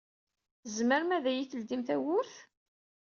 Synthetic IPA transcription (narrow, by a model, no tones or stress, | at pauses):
zməɾmæðæjiθəld̪imθæwʊɾθ